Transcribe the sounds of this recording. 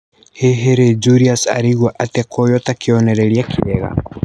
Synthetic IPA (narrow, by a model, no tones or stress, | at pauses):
heɦeɾed͡ʒuɾiasa̰ɾiɣwaʔatɛkʰojɔtakʰeɔnɛɾɛɾiakʰiɛɣa̰